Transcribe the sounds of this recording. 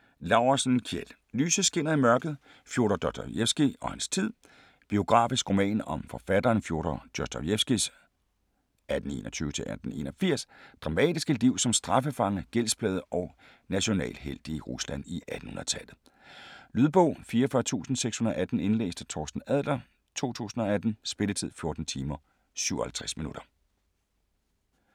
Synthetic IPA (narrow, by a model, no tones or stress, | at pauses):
lɑ̈ʊʁɐsn̩kʰjel | lyːsəsɡ̥e̝n̰ɐimɶɐɡ̥ð̩ˠ | fjo̝ːɾ̥ɐd̥ɒd̥jefsɡ̥iɒ̽hænst͡sʰið̰ˠ | b̥io̝ɡ̥ʁɑ̰̈ːfisɡ̥ʁo̝mɛ̰ːnɒ̽mfɒ̽fæd̥ɐːnfjo̝ɐɾ̥ɐd̥ɒsd̥æjefsɡ̥is | æd̥n̩e̝̰ːnɒt͡sʰyːət͡sʰe̝lʔæd̥n̩e̝̰ːnɒfiɐ̰sd̥ʁɑ̈mɛ̰ːd̥isɡ̥əliʊ̰sɒ̽msd̥ʁɑ̈fəfɑ̈ŋəɡ̥elsb̥lɛːðˠəʔɒ̽ | næɕo̝nɛ̰ːlɦel̰d̥iəʁuslæn̰iʔæd̥n̩hun̰ˠɐ̰t͡sʰælð̩ˠ | lyðˠb̥ɔ̽ʊ̰fiːɐfɶɐt͡sʰṵːsn̩seɡ̥shunɐʔæd̥n̩e̝nlḛːsd̥ət͡sʰɒːsd̥n̩æð̰ˠd̥ɐ | t͡sʰo̝̰ːt͡sʰṵːsn̩ɒ̽æd̥n̩sb̥e̝lət͡sʰið̰ˠfjo̝ɐd̥n̩t͡sʰiːmɐ | syʊɒhælt͡sʰʁɛsminuɾ̥ɐ